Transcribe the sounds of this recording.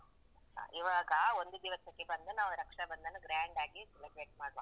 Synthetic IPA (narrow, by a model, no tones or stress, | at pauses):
ha̰ːʔiʋaːɡɐond̪ud̪iʋɐsɐkːebɐnd̪unaːʋuɾɐkʂɐbɐnd̪ɐnːuɡɾaːɳɖaːɡiselɐbɾeːʈ̚maːɽʋa̰ː